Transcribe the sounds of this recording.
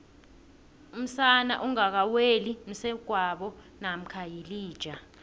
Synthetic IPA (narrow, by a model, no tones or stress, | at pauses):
um̩sana̰ʔuŋak̬awelim̩sɛɡ̥ʱwaɓɔ | nam̩kʰajiliːd̥ʒ̥ʱa